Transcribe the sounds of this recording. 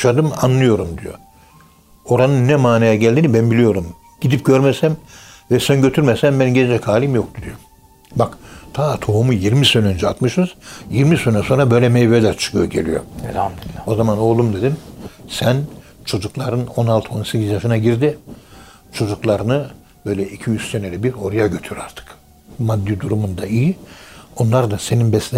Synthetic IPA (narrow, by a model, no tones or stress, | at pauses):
ʃad̪ɯma̰nlˠɯjo̞ɾumd̪ijo̞̰ | o̞ɾanɯnːɛmaːnejɛɟælʲd̪inibænbilʲijo̞ɾum | ɟ̥id̪ip̚ɟøɾmesænvɛsænɟø̞t̪ʰyɾmɛsænbænɟeld͡ʒɛkʰhaːlʲimjo̞k̚t̪ʰud̪ijo | bakt̪ʰaːt̪ʰoɦumujiɾmisø̞nønd͡ʒɛat̪mɯʃz̥jiɾmisønɛso̞nɾabø̞jlʲɛmejbɛlʲæɾt͡ʃʰɯ̥kʰɯjoɟe̞̰lʲḭjo̞̰ | o̞zamano̞ːlˠumd̪e̞d̪imsæn | t͡ʃʰo̞d͡ʒuklˠaɾɯno̞nalˠt̪ʰo̞nsecʰʲizjaʃɯnaɟiɾd̪i | t͡ʃʰo̞d͡ʒuklˠaɾɯnɯ | bø̞jlʲɛicʰijyssenɛlɛbiɾo̞ɾjaɟøt̪ʰyɾaɾt̪ʰɯ̥k | mad̪ːid̪uɾumund̪aijio̞nlˠaɾd̪ase̞ninbɛslʲ